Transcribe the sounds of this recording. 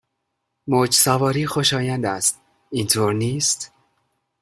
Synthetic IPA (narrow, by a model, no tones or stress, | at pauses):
mod͡ʒsævɒːɾiːxo̞ʃɒːjænd̪æst̪̚ | iːnt̪ʰoːɾniːst̪